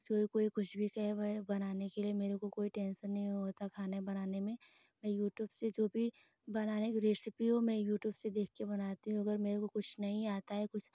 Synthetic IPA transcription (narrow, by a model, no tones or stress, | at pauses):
d͡ʒoːbikoːikʊt͡ʃʰbʱikɛɦbɐnaːnekeliemeːɾekokoːiʈɛ̃ːnsəɾnɐɦĩɦoːt̪akʰaːnebɐnaːnemẽ | mɛ̃ːjuːʈjuːbsed͡ʒoːbʱi | bɐnaːnekɾeːsɪpiɦomɛ̃ːjuːʈjuːbsed̪eːkʰkebɐnaːt̪iɦũɐɡəɾmeːɾekokʊt͡ʃʰnɐɦĩaːt̪aɦɛkʊt͡ʃʰ